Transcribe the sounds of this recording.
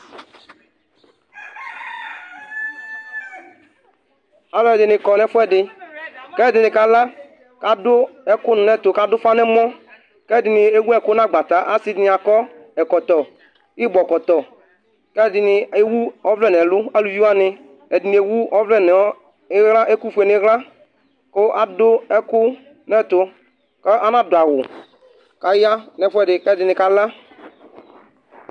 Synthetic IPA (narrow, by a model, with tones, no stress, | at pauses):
a˨lɔ˦ɛ˨dɪ˨nɪ˨kɔ˨nɛ˦fʊ˦ɛ˦dɪ˨kɛ˦˨dɪ˨nɪ˨ka˨˦la˦ | ka˦dʊ˦ɛ˦kʊ˦n˨nɛ˦t̪ʊ˨ka˦dʊ˦fa˦nɛ˦mɔ̃˦ | kɛ˦dɪ˨nɪ˨e˦wu˦ɛ˨kʊ˦nã˦ɡ͡ba˨t̪a˨˦ʔa˦si˦dɪ˨nɪ˨a˨kɔ˦ | ɛ˨kɔ˨t̪ɔ˨ | i˦bɔ˨kɔ˨t̪ɔ˨ | kɛ˦˨dɪ˨nɪ˨e˦wu˦ɔ˦vlɛ˦˨nɛ˨lʊ˦a˦lu˨ju˦a˦nɪ˦ | ɛ˨dɪ˨n˨˦e˨wu˦ɔ˦vlɛ˦n˨˦ | ɣla˦ʔe˦ku˦fe˨nɪ˨˦ɣla˦ | kʊ˦ʔa˨dʊ˦ɛ˦kʊ˦ | nɛ˦t̪ʊ˨ | kɛ˦ʔa˦nã˦dʊ˨a˨ɣʊ˨ | ka˨ja˦nɛ˨˦fʊ˦ɛ˦˨dɪ˨kɛ˦dɪ˨nɪ˨ka˦la˦